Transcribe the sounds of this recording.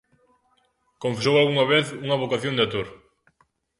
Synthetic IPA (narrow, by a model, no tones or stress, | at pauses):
kõɱfesowalɣuŋɐβeθuŋɐβokaθjond̪eat̪uɾ